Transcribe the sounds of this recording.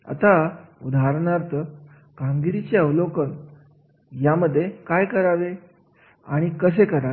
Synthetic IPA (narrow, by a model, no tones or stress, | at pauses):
a̰t̪aud̪ʱaɾɳaɾt̪ | kãŋɡiɾit͡ɕeəʋlokən | jaməd̪ʱːjekajkəɾaʋe | aɽ̃ikəs̬ekəɾae